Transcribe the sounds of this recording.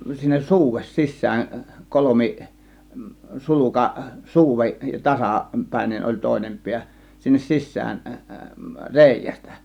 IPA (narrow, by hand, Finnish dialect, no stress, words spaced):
sinːes suːʋes sisˑæːn kolomi sulukɑ suːʋe tɑsɑ pæˑe̝nen olʲ toˑe̝nem piæ sinːes sisˑæːn reˑijæstæ̥